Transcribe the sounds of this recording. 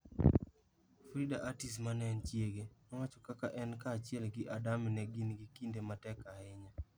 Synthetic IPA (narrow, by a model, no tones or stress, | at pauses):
fɾidaʔatis̬manɛnt͡ʃjeɡemawat͡ʃɔkakaʔɛnkaːt͡ʃjɛlɡɪʔadamɪnɛɡinɡɪkindematɛkaɪɲa